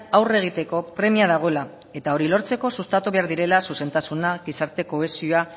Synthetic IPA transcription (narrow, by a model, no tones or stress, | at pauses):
awre̞ɣ̞it̪e̞ko̞pɾe̞miaðaɣ̞o̞ela | e̞t̪ao̞ɾilo̞ɾt͡se̞ko̞sust̪at̪uβe̞aɾðiɾe̞lasuse̞nt̪asunaɡisaɾt̪e̞ko̞e̞sioa